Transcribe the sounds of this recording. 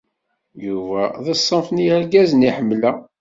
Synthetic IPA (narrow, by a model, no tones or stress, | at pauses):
juvæðəsˤːəmfnijæɾɡæzəniħəmːlæ